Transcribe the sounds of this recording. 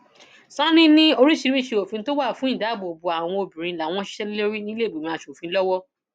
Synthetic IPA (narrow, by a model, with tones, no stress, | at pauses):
sã˦nĩ˦nĩ˦o˧ɾi˦ʃi˧˦wi˦˨ʃe˧o˨fĩ˧˦to˦wa˦˨fũ˦ĩ˦˨da˨˦˨bo˨bu˧a˨w̃ɔ̃˧o˧bĩ˨ɾĩ˧la˨˦˨w̃ɔ̃˧˦ʃi̥˦ʃɛ˦li˦le˦ɾi˦nĩ˦le˦˨bu˨mĩ˧a˧ʃu˨o˨fĩ˧˦lɔ˦wɔ˦